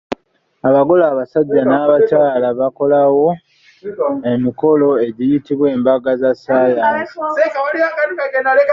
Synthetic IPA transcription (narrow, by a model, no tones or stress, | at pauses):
aβaɡo̞laːβasaɟːanaːβat͡ʃaːlaβako̞lawo̞ | e̞miko̞lo̞e̞ɟijitiβwe̞ːmbaɡazasaːja | akkaɡenale